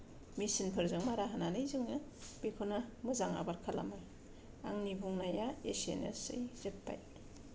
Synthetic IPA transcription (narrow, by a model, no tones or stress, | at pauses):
misinpʰɯɾzɯŋmaɾaɦananɯjzɯŋnɯb̥ikʰonamɯzaŋa̰baɾkʰala̰mɯ | aŋnibuŋnajaesḛnḛsɯ̰jz̥eppa̰j